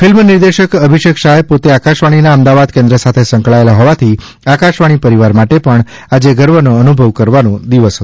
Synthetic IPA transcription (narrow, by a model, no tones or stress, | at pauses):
fʰɪlmniɾd̪eʃəkəbʱiʃəkʃaɦepot̪eakaʃʋaɽ̃inaəmd̪aʋad̪kẽnd̪ɾəsat̪ʰesə̃ŋkɭaelaɦɔʋat̪ʰi | akaʃʋaɽ̃ipəɾiʋaɾmaʈepəɳ | ad͡ʒeɡəɾʋənoənubʱəʋkəɾʋanũd̪iʋəsɦɔ